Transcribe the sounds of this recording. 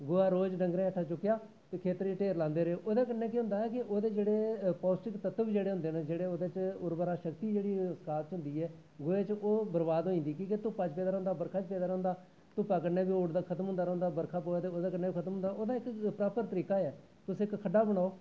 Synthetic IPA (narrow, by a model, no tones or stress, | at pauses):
ɡoːaːɾoːd͡ʒɖəŋɡɾẽːɛʈʰːaːt͡ʃʊkːɪjaː | t̪eːkʰeːt̪əɾʈeːɾlãːnd̪eːɾeeːʔoːd̪aːk̬əneːk̬ɪɦʊ̃nd̪aːɛːkɪʔoːd̪eːd͡ʒeːɽeːpɔːsʈɪkt̪ət̪ʋiːd͡ʒeːɽeːɦʊ̃nd̪eːneːd͡ʒeːɽeːoːd̪eːt͡ʃʊɾbːɾaːʃəkt̪iːd͡ʒeːɽiːskaːt̪t͡ʃɦʊ̃nd̪iːɛː | ɡoːeːt͡ʃoːbəɾbaːd̪ɦoːĩːnd̪iːkĩːk̬et̪ʊpaːt͡ʃpeːd̪aːɾõːʊnd̪aːbəɾkʰaːt͡ʃpeːd̪aːɾɔ̃ːnd̪aː | t̪ʊpːaːkəneːbiːoːɽd̪akʰət̪əmɦʊ̃nd̪aːɾɔ̃ːnd̪aːbəɾkʰaːpoːjaːt̪eːoːd̪aːkəneːbiːkʰət̪əmʊ̃nd̪aːoːd̪aːɪkpɾaːpəɾt̪əɾiːkaːɛː | t̪ʊsɪkkʰːəɖːaːbəɽ̃aːoː